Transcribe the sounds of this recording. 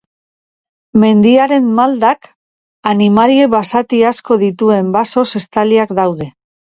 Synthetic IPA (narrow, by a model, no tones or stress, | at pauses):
me̞nd̪iaɾe̞mːald̪ak | animaɾie̞βasat̪iasko̞ðit̪ue̞mbaso̞se̞st̪aliakd̪awðe̞